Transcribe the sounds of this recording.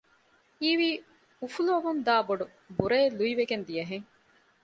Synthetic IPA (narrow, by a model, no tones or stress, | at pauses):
iːʋiː | ufulɐʋund̪aːboɖu | buɾeːluiʋeɡend̪ijɐɦeŋ